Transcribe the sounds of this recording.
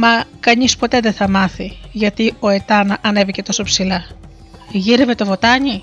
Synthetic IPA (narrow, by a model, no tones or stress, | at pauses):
mɐkɐɲispo̞t̪e̞ðeθɐmɐθiʝɐt̪io̞e̞t̪ɐnɐʔɐne̞vice̞t̪o̞so̞psilɐ | ʝiɾeve̞t̪o̞vo̞t̪ɐɲi